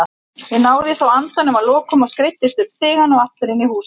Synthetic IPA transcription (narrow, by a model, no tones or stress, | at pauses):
jɪnaːwðɪθawant̪anʏmaðlɔːkʏmawskɾejt̪ːɪst̪ʏ̥st̪ɪːɣanawaht̪ʏɾɪnːɪhuːs